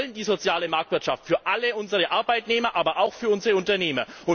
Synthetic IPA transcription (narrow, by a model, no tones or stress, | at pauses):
ləndiːzot͡sjaːləmaɐk̚tv̥ɪɐtʃa̰ftfyːɐʔaləʊnzəʁəʔaɐbaɪtneːmɐʔaːbɐʔaʊxfyːɐʊnzəʁəʊntɐneːmɐʊn